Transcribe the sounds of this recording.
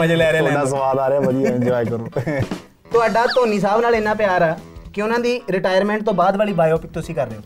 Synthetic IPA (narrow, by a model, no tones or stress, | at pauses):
əd͡ʒelɛːɾeaːɽaːs̬əʋaːd̪aːɾeaːʋəd̪ijaːɪɲd͡ʒɔːiːkəɾoː | t̪ʊaːɖaːt̪oːniːs̬aːbnaːlɪnːãːpjaːɾaːkɪʊnãːd̪iːɾɪʈaːjəɾmɛ̃ːɳʈ̚t̪õːbaːd̪ʋaːliːbaːjɔːpɪk̚t̪ʊsĩːkəɾːeːoː